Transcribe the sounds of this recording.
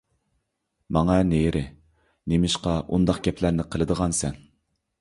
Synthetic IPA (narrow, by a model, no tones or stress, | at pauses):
mɑŋɑnejɾʔɪ | nemɪʃqɑʔund̪ɑqɡʲɛpʰlæɾnɪqʰəlˠɨd̪əʁɑnsɛn